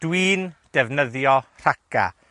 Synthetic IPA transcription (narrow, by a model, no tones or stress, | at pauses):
d̥wiːnd̥ɛvnəðjɔr̥akʰa̰